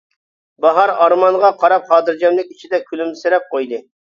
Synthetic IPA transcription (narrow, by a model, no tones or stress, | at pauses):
bɑɦɑɾɑɾmɑnʁɑqʰɑɾɑp̚χɑːd̪ɨɾd͡ʒɑnlˠɪk̚ʲit͡ʃʰid̪ɛkʲʰylymsɪɾɛp̚qʰojd̪ɨ